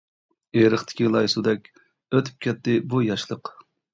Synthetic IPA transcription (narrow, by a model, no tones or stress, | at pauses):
eɾəχt̪ʰɪ̥kʲilˠɑjsud̪ɛkʲ | øt̪ʰy̥p̚kʲɛt̪ːɪbujɑʃlˠəq